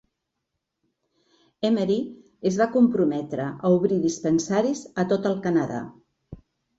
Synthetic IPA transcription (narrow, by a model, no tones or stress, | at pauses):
eməɾi | əzβakumpɾumɛt̪ɾəʔəuβ̞ɾiðispənsaɾizət̪ot̪əlˠkənəða̰